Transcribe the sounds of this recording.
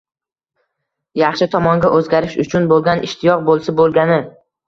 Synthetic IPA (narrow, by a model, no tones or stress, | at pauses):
jɑχʃɪt̪ʰɒmɒŋɡʲaʔɵzɡʲaɾɪʃʊt͡ʃʰʊnbolˠɡʲanʔɪʃt̪ʰɪjɒq̚bolˠsɪbolˠɡʲanɪ